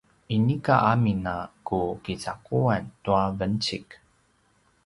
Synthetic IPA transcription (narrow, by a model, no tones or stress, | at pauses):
inikaʔaminakukit͡sakuantuavənt͡ɕik